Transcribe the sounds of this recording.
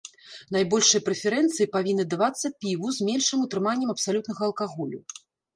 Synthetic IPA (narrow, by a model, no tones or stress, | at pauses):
najbɔlʲʂɨjɐpɾɛfʲɛɾɛnt̪sɨjipavʲinːɨd̪avat̪sːɐpʲivuzmʲɛnʲʂɨmut̪ɾɨmanʲːɛmɐpsalʲut̪nɐɣɐɐlˠkaɣɔlʲṵ